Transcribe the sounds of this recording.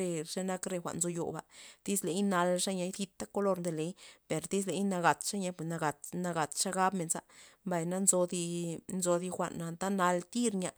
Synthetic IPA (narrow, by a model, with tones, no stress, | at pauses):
e˧ʂe˦na˦kɾe˧xʷa̰˨ʔnzo˧jo̰˨ba̰˨d̪̥i˦sle˨˦jna˧lʂa˦ɲa˧˦jθi˧t̪ːa˦ko˧lo˧ɾnd̪e˨le˨˦jpe˨ɾd̪i˦s̬le˨˦jna˧ɡa˨t̪ʂa˦ɲa˧pwe˨sna˧ɡa˨t̪na˧ɡa˨t̪ʂa˦ɡa˦bme˨nsa̰˧˦mba˨jna˦nzo˧d̪i˧nzo˧d̪i˧xʷa̰˨nːa˧nt̪a˦na˧lt̪i˦ɾɲa˧